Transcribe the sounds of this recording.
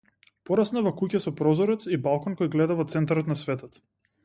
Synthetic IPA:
pɔɾasnavɔkucasɔpɾɔzɔɾɛt̪sibalˠkɔnkɔjɡlɛd̪avɔt̪sɛnt̪aɾɔt̪nasvɛt̪ɔt̪

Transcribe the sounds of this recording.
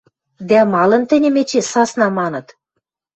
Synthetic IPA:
d̪æmɑlɤ̆nt̪ɘ̆nʲɘ̆met͡ɕesɑsnɑmɑnɤ̆t̪

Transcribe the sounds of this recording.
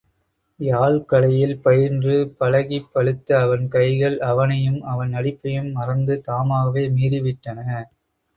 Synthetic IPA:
jaːɭkɐɭɐjɪlpɐjɪɾndrɯpɐlɐɣipːɐɭɯt̪ːɐːʋɐnkɐɪɣɐɭɐʋɐnɐjɯmɐʋɐnɐɽɪpːɐjɯmːɐrɐnd̪ɯt̪aːmaːɣɐʋeːmiːɾɪʋɪʈːɐnɐ

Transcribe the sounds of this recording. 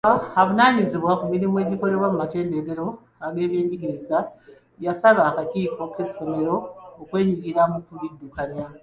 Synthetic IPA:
aβunaːɲiziβwakumiɾimue̞ːɟiko̞le̞βwamumate̞ːndeɡeɾo̞ | aɡe̞ːβje̞ːɲɟikiɾiza | jasaβaːkaciːko̞ke̞so̞me̞ɾo̞ːkwe̞ːɲiɡiɾamukulidːukana

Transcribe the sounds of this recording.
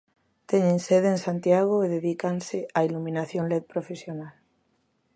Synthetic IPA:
t̪eɲẽnseðensant̪jaɣ̞oeðeðikanseailumĩnaθjonleð̚pɾofesjonal

